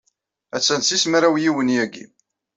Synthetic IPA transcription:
æt͡sːænsismɾæwjiwənjæɡḭ

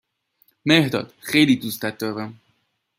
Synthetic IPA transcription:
mehd̪ɒ̰ːd̪̥xejliːd̪uːst̪æt̪̚d̪ɒːɾæm

